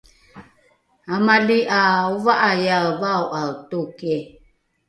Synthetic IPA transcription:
amaliʔauvaʔajavawʔatoke

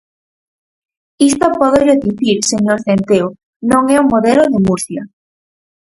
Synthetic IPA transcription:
ist̪opɔðoʎoðiθiɾseɲoɾθent̪eo | nõŋɛuŋmoðeloðemuɾθja

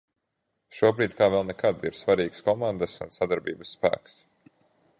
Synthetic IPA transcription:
ʃuɔbɾiːd̪kaːvɛlˠnɛkʰad̪iɾsvaɾiːkskɔmand̪asṵnsad̪aɾbiːbə̥sːpæ̰ːks

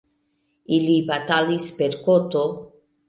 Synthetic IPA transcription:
ilipat̪alispeɾkot̪o

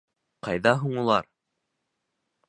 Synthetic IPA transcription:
qɑjðɑɦuɴulˠɑɾ

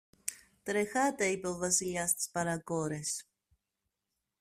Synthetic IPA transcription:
t̪ɾexat̪eipɛlvasiliast̪spaɾakoɾes

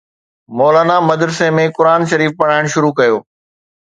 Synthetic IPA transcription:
mɔːlaːnamɐd̪ɾsemẽkʊɾaːnʃɐɾiːfpɐɽ̤aːɪɽ̃ʃʊɾukɐjoː

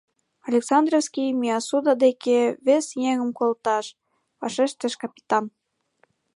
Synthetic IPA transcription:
ɑlʲeksɑnd̪rofskʲijmiɑsud̪ɑd̪ekeβesjeŋə̆mkolt̪ɑʃ | βɑʃeʃt̪ə̆ʃkɑpʲi̥t̪ɑn

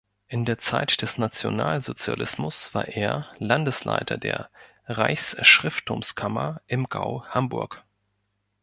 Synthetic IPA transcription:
ʔɪndeːɐt͡sa̰ɪtd̥ɛsnat͡sjo̰naːlzot͡sja̰lɪsmʊsv̥a̰ːɐʔeːɐlandəslʔa̰ɪtʰɐ̰dḛːɐ | ʁaɪçsʃʁ̥ɪftʰʊmskʰamɐʔɪmɡ̥a̰ʊhambʊɐk

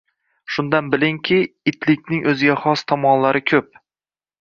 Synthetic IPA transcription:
ʃʊnd̪anbɪlɪŋkʲʰɪɪt̪ʰlɪkʲnɪŋʔɵzɪɡʲaχɒst̪ʰɒmɒnlaɾɪkʲʰɵp̚

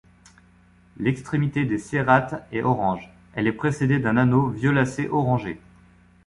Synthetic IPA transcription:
lɛkst̪χemit̪ed̪eseʁat̪ɛɔʁɑ̃ʒ | ɛlɛpχesed̪ed̪ɛ̃nanovjɔlaseʔɔʁɑ̃ʒe

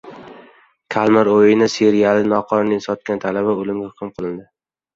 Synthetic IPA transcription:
kʲʰalˠmaɾojɪnɪseɾijalɪnɒqʰɒɾnɪŋsɒt̪̚kʲant̪ʰalabaolɪmɡʲahʊqʰɨmqʰɨlˠɪnd̪ɪ

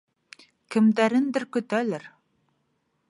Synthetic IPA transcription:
kɘ̆md̪æɾɘnd̪ɘɾkɵ̆t̪ælɘɾ

